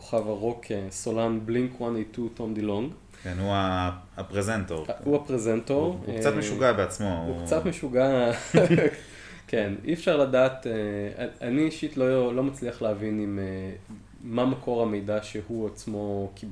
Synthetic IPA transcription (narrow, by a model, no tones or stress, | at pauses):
ko̥χavaʁokʰesolambliŋkʰwanejtutomd̪iloŋɡ | kenua | apʁezentoʁhuapʁezentoʁt͡sameʃuɡabeat͡smoukt͡satt̪meʃuɡa | kenḭefʃaʁladaːteaaniʃitlolo̞mat͡sliaχleavinime | mːamakʰo̞ʁame̞jdaʃehuat͡smo̞kʰib